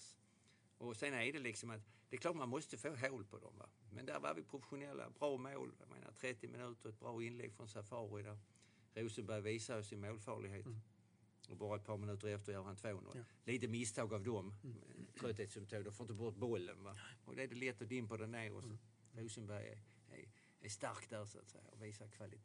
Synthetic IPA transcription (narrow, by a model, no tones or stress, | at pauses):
ʔɔsenædɛlɪksɔmat̪d̪̥ɛkʰlɑːɾt̪manmɔst̪əfoːɦoːlpʰɔd̪ɔ̰mva̰mɛnd̪æɾva̰ɾvɪpʰɾʊfɛ̥ɧʊnɛlːa̰bɾɑːmoːlja̰mḛːna̰t̪ʰɾɛt̪ːɪmɪnʉ̟ːt̪əɾɛt̪̚bɾɑːɪnlɛ̰ɡfɾɔnsafɑːɾʊd̪æɾ | ɾʉːsənbæjviːsaəsɪnmoːlfɑːɭɪɡɦeːt̪ | ɔbɑːɾaɛt̪̚pʰɑːɾmɪnʉ̟ːt̪əɾɛft̪əɾjœːɾhant̪ʰvoːno̰lliːt̪əmɪst̪ʰɑːɡavd̪ɔmɛt̪ʰɾœt̪heːt̪sɵmt̪ʰɑːɡd̪ɔmfoɾnt̪əbɔt̪̚bɔlːə̰nvaʔɔ̰d̪ɛæd̪ɛlɛt̪ːɔd̪ɪmpad̪ɛnneːɾɔ̰sat̪ | ɾuːsənbæɾjɛ̰ | æ̰ | æʂt̪aɾkd̪æɾsʊa̰t̪sɛjaɔviːsakʰvalɪt̪ʰ